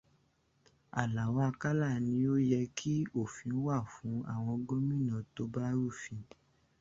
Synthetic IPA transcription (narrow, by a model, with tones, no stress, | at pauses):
a̰˨la˨wa˦˧ka˦la˦˨nĩ˧˦o˦jɛ˧kʰi˦o˦˨fĩ˨˦wa˦˨fũ˨˦a̰˦˨w̃ɔ̃˧ɡo˦mĩ˦˨nã˨to˧˦ba˦ɾu˦˨fĩ˧